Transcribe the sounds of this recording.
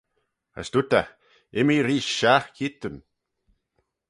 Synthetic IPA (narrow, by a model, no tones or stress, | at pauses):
a̰sd̪ut̪a | ɪmiɾiːʃaxkʰit̪ən